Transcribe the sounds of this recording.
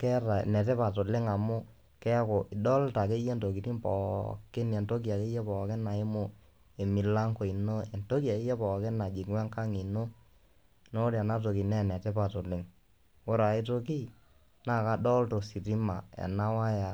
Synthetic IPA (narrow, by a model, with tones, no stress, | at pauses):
kɛ˦ɾa̰˨nɛ˨tɛ˦pa˨to˨lɪ˦ŋa˨mʊ˦ | kɛ˦ko˨ʔɪ˨ɗɔ˦lta˨ke˦je˦nto˨ki˨ti˦mpɔ̰˨kɪ˦ne˨nto˦ki˨a˨ke˦je˦pɔ˨kɪ˦na˨ɪ˦mʊ˦ | e˨mi˨la˦ŋko˨i˨no˦ɛ˨nto˦ki˦a˨i˦jɛ˦pɔ˨ke˦na˨d͡ʒi˨kwɛ˦ŋka˦ŋi˨no˦ | no˦ɾa˨na˦to˨ki˨nɛ˦˨nɛ˨te˦pa˨tʊ˨lɪ˦ŋ | wo˦ɾa˨i˦to˦k̬i˦ | na˦˨ka˦dɔ˦lto˨si˨ɾi˦ma̰˨ɛ̰˨na˦wa˦ja˨